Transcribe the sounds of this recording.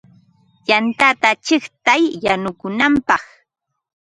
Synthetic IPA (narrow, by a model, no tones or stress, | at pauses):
jant̪at̪at͡ʃɪχt̪ajːanʊkʊnampɑχ